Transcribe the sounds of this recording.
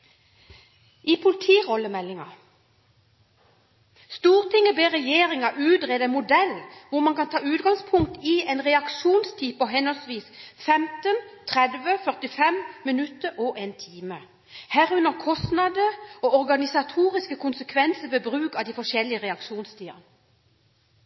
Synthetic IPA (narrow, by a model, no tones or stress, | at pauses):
ʔɪpʰʊlɪt̪ʰiːʁɔlːəmɛlːɪŋɑ | st̪uːʁt̪ɪŋːəbeːʁɛjeːʁɪŋɑʔʉːt̪ʁeːd̪əmʊd̪ɛlʋʊʁmɑnkɑnt̪ʰɑːʉːt̪ɡɑŋspʰʊŋkt̪ɪeːnʁɛɑkʃuːnst̪ʰiːpɔɦɛnɔlsʋiːsfɛmt̪ənt̪ʰʁɛd̪ʋəfœʁt̪ɪfɛmmɪnʉt̪əɾʔɔʔeːnt̪ʰiːmə | hæːʁʉnəʁkʰɔst̪nɑd̪əɔɔʁɡɑnɪsɑt̪ʰuːʁɪskəkʰʊnsəkʰʋɛnsəʋeːbʁʉːkɑʋd̪iːfɔʂɛlːɪəʁɛɑkʂuːnst̪ʰiːɑ̰n